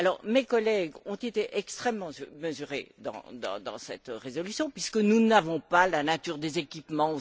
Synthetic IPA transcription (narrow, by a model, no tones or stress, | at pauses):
alɔʁmekɔlɛɡɔ̃t̪et̪eʔɛkst̪χɛmmːɑ̃məzyʁḛd̪ɑ̰̃d̪ɑ̰̃d̪ɑ̰̃sɛ̰t̪ʁezɔlysjɔ̃pɥiskənunavɔ̃palanat̪yʁd̪ezekʲipmɑ̃o